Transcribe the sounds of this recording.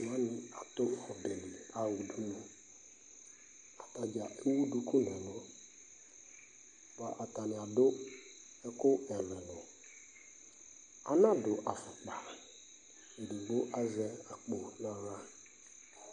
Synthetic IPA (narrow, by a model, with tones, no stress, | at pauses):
mã˦nɪ˨a˨tʊ˦ɔ˨dɛ˨ni˨a˨wu˨du˦nu˨ | a˨ta˨d͡ʒa˨e˦wu˦du˦kʊ˦nɛ˨lɔ˦˨ | ba˨ʔa˨ta˨nɪ˨a˨dʊ˦ | ɛ˦kʊ˦ɛ˨lɛ˨nɔ˨ | a̰˨nã˦dʊ˨ʔa˨fɛ˨k͡pa˨ | e˨du˨ɡ͡bo˦ʔa˦zɛ˦a˨k͡po˨la˨ɣa˦